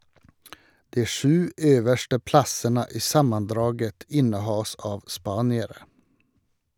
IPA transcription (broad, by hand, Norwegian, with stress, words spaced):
ˈdiː ˈʃʉː ˈøːʋəʃtə ˈplɑsənə ˈiː ˈsɑmənˌdɾɑːɡət ˈɪnəˌhɑːs ˈɑːʋ ˈspɑːnɪəɾə